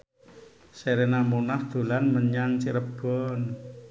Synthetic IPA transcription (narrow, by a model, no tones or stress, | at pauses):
seɾenamunahd̪̥o̤lanməɲaŋt͡ʃiɾəb̥ɔn